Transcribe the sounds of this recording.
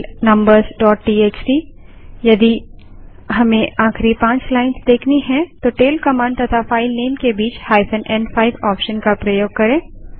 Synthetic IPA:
lnɐ̃mbəɾzɖɔːʈːiːeːt͡ʃsijɐd̪i | ɦɐmẽʔaːxɾipãːt͡ʃlaːɪnsd̪eːkʰniɦɛ̃t̪oʈeːlkɐmãːɳɖt̪ɐt̪ʰafaːɪlneːnkebiːt͡ʃhaːɪfə̃nʔɛ̃ːɳɖfʰaːɪʋɔːpʃənkapɾɐjoːɡ̚kɐɾẽː

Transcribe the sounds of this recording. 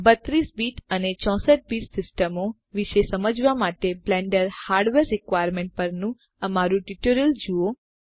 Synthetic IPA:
bət̪ɾisbiʈənet͡ʃɔ̃səʈ̚biʈsɪsʈəmo | ʋiʃesəməd͡ʒʋamaʈeblɛɳɖəɾhaɾɖʋeɾːikʋajəɾmẽɳʈ̚pəɾnũ | əmaɾũʈiʈoɾəld͡ʒuo

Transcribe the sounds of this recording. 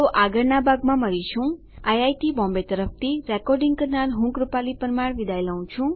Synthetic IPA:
oʔaɡəɾnabaɡmãməɾit͡ʃʰũ | ajajʈibɔ̃mbet̪əɾəp̚ʰt̪ʰiɾekɔɾɖĩŋɡkəɾnaɾɦũŋkɾupalipəɾmaɽʋid̪ajlaw̃t͡ʃʰũ

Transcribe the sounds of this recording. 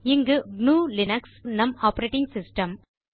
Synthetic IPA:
ɪŋɡɯɡnuːlɪnɐksnɐmaːpɐɾeːʈɪŋɡsɪsʈɐm

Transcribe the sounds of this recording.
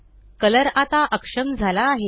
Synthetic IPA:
kələɾat̪aʔəkʂəmd͡zʱalaːɦe

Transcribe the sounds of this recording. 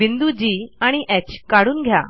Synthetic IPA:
ind̪ud͡ʑiːaɽ̃iʔɛt͡ɕkaɽuːnɡʱja̰

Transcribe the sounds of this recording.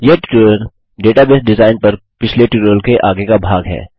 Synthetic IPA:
jeːʈʈəl | ɖeːʈabeːsɖɪzaːɪnpɐɾpɪt͡ʃʰleʈɪʈəlkeʔaːɡekabʱaːɡɦɛ̰ː

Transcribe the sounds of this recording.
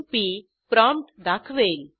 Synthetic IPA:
pi | pɾɔmpʈd̪akʰʋel

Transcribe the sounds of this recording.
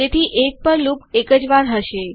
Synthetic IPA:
et̪ʰiʔek̚pəɾlukekəd͡ʒʋaɾɦəʃe

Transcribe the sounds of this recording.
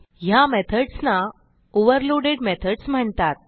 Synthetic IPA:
ɦjamet̪ʰəɽsna | oʋəɾloɽeɽmet̪ʰəɽsm̤əɳt̪at̪̚

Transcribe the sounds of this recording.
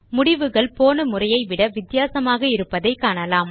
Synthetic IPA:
mʊɽɪʋɯɣɐɭpoːnɯmʊrɐjɐɪʋɪɽɐʋɪt̪ːɪjaːsɐmaːɣɐɪɾɯpːɐðɐɪkːaːɳɐlaːm

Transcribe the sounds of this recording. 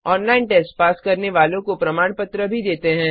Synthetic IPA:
ɔːnlaːɪnʈeːsʈpaːskɐɾneʋaːlõkopɾɐmaːɽ̃pɐt̪ɾəbʱid̪eːt̪eɦɛ̃ː

